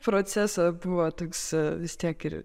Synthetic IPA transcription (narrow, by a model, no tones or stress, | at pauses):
pɾoːsʲæsɐbʊʋot̪oːksʋʲɪst̪ʲiɛkɪɾ